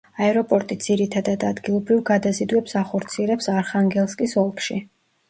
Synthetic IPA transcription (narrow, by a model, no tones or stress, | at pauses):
aɛɾɔpʼɔɾt̪ʼid̪z̥iɾit̪ʰad̪ad̪ad̪ɡilˠɔbɾivɡad̪azid̪wɛpsaχɔɾt̪sʰiɛɾɛpsaɾχaŋɡɛlˠskʼisɔlˠkʰʃi